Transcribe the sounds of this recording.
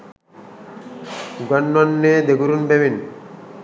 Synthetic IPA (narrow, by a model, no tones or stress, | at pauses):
ɡwanːanːeːd̪eɡuɾunbewin